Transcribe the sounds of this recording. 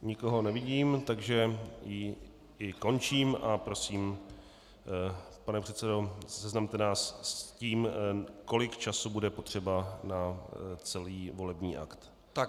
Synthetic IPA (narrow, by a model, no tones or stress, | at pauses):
ɲɪko̞ɦo̞nɛvɪɟiːmt̪aɡʒɛjɪ | ɪko̞nt͡ʃiːmapɾo̞siːm | panɛpr̝̥ɛt̪t͡sɛdo̞sɛznamt̪ɛnaːsciːmko̞lɪkt͡ʃasubudɛpo̞t̪r̝̥ɛbanat͡sɛliːvo̞lɛbɲiːʔa̰kt̪ | t̪a